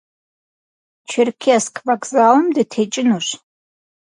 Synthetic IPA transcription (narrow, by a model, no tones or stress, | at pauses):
t͡ʃʰɪrkʲʰiaskʰʼvakʼzalmdɨtʰet͡ʃʼɪnuʂʷ